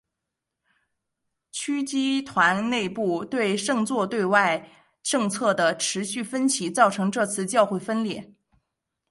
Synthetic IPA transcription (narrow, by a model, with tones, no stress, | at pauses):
t͡ɕʰy˥t͡ɕi˥t̪ʰwa˧˥nne˥˧ɪpu˥˩t̪we˥˧ɪʂɤ˥˧ŋt͡swɔ˥˧t̪we˥˧ɪwa˥˧ɪ | ʈ͡ʂɤ˥˧ŋt͡sʰɤ˥˩d̪ə˩ʈ͡ʂʰɻ̩˧˥ɕy˥˩fə˥nt͡ɕʰi˧˥t͡sɑ˥˩ʊʈ͡ʂʰɤ˧˥ŋʈ͡ʂɤ˥˧t͡sʰɹ̩˥˧t͡ɕjɑ˥˧ʊxwe˥˩ɪfə˥nljɛ˥˩˦